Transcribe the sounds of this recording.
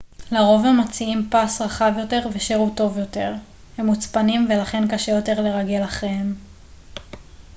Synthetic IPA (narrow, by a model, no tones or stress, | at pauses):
laʁo̞vemot͡siimpasʁaχavjo̞te̞ʁveʃiʁuto̞vjo̞te̞ʁ | he̞mːut͡spanimve̞laχe̞nkaʃejo̞te̞ʁle̞ʁaɡe̞laχʁeem